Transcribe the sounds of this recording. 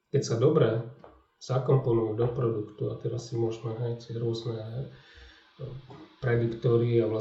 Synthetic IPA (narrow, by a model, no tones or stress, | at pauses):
kɛcsad̪ɔbɾɛ | z̥akɔmpɔnujud̪ɔpɾɔd̪ukt̪uat̪ɛɾasːimʊɔʒmaɦatɾʊɔznɛ | pɾɛd̪ikt̪ɔɾiaʋla